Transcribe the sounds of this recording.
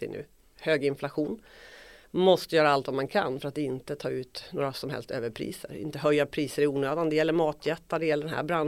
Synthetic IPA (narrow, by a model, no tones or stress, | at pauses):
ɪ̰nʉ̟̰ː | høːɡɪnflaɧuːn | mɔst̪əjœːɾaalt̪vamankʰa̰nfœɾat̪ɪnt̪ət̪ʰɑːʉ̟ːt̪noːɾasɔmɦɛ̰lst̪ø̰ːvəɾpʰɾḭːsə̰ɾɪ̰nt̪əɦœjːapʰɾiːsəɾɪuːnøːd̪and̪ɛjɛlːəɾmɑːt̪ʰjɛt̪ːaɖ̪ɛjɛlːəɖɛnɦæ̰ːɾbɾan